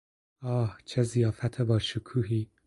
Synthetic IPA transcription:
ɒːht͡ʃʰezijɒːfæt̪ʰebɒːʃukʰuːɦiː

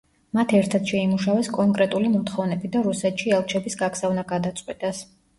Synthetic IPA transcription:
mat̪ʰɛɾt̪ʰad̪̥ʃɛimuʃavɛskʼɔŋkʼɾɛt̪ʼulimɔt̪ʰχɔvnɛbid̪aɾusɛt̪ʃiɛlˠt͡ʃʰɛbisɡakz̥avnaɡad̪at̪sʼqʼwit̪ʼas

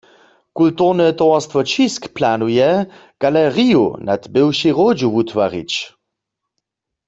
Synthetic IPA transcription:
kultuʁnɛt̪ɔwast̪vɔt͡ʃiskplanujɛ | ɡ̥alɛʁijṵna̰t̪bɪwʃiʁod͡ʒuʋutwa̰ʁḭt͡ʃ

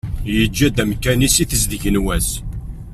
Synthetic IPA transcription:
jəd͡ʒːæd̪æmkːænisiθəzðəʝənwæs

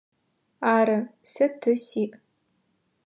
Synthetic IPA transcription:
aːɾɨsɨtʰɨsiːʔ

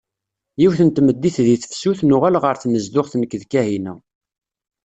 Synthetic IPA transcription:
jiwθənt̪məd̪ːiθðiθə̥fsuθnʊʁælʁəɾθnəzd̪ʊʁθnəkːðkːæhinæ

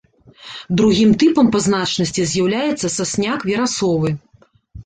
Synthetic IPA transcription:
d̪ɾuɣʲimt̪ɨpɐmpɐznat͡ʂnɐsʲt͡sʲizʲjawlʲajɛt̪sːɐsasʲnʲakvʲɛɾasɔvɨ

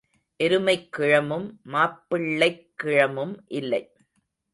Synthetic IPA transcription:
ʔɛɾɯmɐɪkːɪɻɐmɯmːaːpːɪɭːɐɪkːɪɻɐmɯmʔɪlːɐɪ

